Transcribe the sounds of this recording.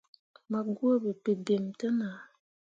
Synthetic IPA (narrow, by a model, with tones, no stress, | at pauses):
ma˨ɡu˦ə˦bə˨pe˨be˨mtə˦na˨